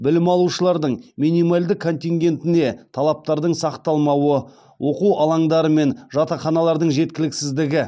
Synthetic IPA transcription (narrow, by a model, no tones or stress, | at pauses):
bɪlɪmɑlˠuʃəlˠɑɾd̪əɴminijmalʲd̪ɪkʰːo̞nt̪ʲiŋɡʲe̞nt̪ɪne̞t̪ʰɑlˠɑp̚t̪ɑɾd̪əɴsɑqt̪ɑlˠmɑwə | wʔo̞quwɑlˠɑɴd̪ɑɾəme̞nʒɑt̪ɑχɑnɑlˠɑɾd̪əɴʒe̞t̪̚kʲɪlɪksɪzd̪ɪɡʲɪ